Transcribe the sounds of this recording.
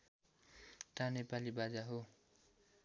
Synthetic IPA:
t̪anepalibad͡zaɦo

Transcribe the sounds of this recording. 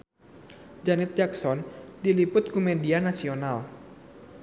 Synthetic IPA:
d͡ʒanɪt̪̚d͡ʒaksɔndilipʊt̪̚kumedianasional

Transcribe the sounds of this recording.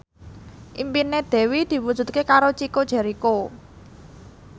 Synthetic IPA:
ʔimpined̪̥ɛ̤wid̪̥i̤wud̥ʒ̥ṳt̪̚kekaɾot͡ʃikod̥ʒ̥ɛ̤ɾiko

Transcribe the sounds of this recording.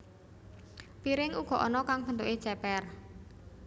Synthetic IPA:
piɾɪŋuɡ̥ɔ̤ʔɔnɔkaŋpənt̪oʔe̥t͡ʃɛpɛr

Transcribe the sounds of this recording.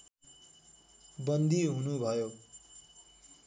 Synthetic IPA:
bʌnd̪iɦunubʱʌjo

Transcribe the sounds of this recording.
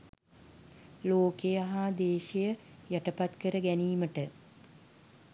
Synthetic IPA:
loːkejaɦad̪eːʃejə | jæʈəpat̪kəɾəɡæniːməʈə

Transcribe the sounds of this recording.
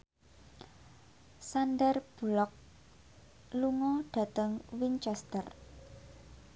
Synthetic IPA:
sandərb̥ulɔk̚ | luŋɔɖ̥ä̤t̪əŋwint͡ʃɛst̪ər

